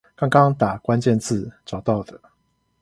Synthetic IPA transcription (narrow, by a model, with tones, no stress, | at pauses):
kɑ˥ŋkɑ˦ŋt̪a˨˩kwa˦nt͡ɕjɛ˥˧˨nt͡sʰɹ̩˥˨ʈ͡ʂɑ˨˩ʊt̪ɑ˥˨ʊd̪ə˩